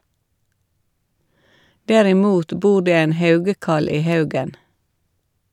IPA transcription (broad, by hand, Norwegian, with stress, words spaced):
dɛɾɪˈmuːt ˈbuː ˈɖeː ˈeːn ˈhɑʉɡəˌkɑl ˈiː ˈhɑʉɡən